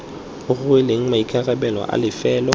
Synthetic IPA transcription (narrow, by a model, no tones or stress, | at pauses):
ʊɣʊɪleŋ̩maikʰʼarɛbɛlwa̰ʔa̰lɪfɛːlɔ